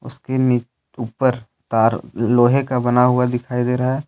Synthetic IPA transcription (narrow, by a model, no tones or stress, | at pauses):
ʊ̰skeniːt͡ʃ | uːpəɾ | t̪aːɾloːɦekabɐnaɦʊad̪ɪkʰaːid̪eːɾɐɦɛ